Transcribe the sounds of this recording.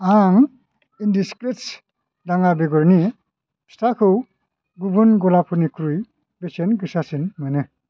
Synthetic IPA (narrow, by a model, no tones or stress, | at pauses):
aŋ | indiskɾets | daŋabeɡɔɾni | stakʰɯw | ɡubunɡɔlapʰɯnikʰɾuj | besenɡɯsasinmɯnɯ